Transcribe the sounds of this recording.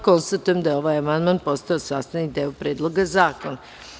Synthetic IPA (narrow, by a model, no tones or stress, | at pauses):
ko̞nst̪at̪ujemd̪ajeo̞ʋaːjamand̪maːnpo̞st̪aosaːst̪anid̪eːopɾeːd̪lˠo̞ɡazaːkona